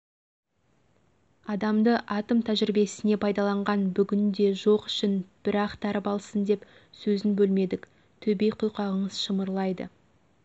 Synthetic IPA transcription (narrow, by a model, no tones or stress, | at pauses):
ɑd̪ɑmd̪əʔɑt̪əmt̪ʰæʒɪɾɪbe̞sɪne̞pʰɑjd̪ɑlˠɑɴʁɑnbʏɡʲɪnd̪e̞ʒo̞qʏ̥ʃɪnb̥ɪɾɑqt̪ʰɑɾəpɑlˠsənd̪e̞p | sɵzɪnbɵlme̞d̪ɪk | t̪ʰɵbe̞jqʰʊjqɑʁəɴəzʃəməɾlˠɑjd̪ə̰